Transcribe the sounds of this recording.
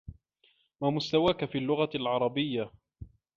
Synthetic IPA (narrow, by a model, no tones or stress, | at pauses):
maːmʊst̪awaːkafiːlːʊɣalʕɑɾˤɑbɪjːa